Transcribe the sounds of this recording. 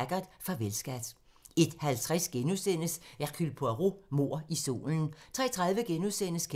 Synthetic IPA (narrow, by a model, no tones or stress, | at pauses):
ɡ̥ɐðˠfɑ̈ʋelsɡ̥æd̥ | e̝d̥hælt͡sʰʁasɡ̥enusen̰əsækʰylpʰoæʁomo̝̰ɐ̰iso̝̰ːln̩t͡sʰʁɛ̰ːt͡sʰʁɑ̈ðˠʋəɡ̥enuðˠsen̰əskʰ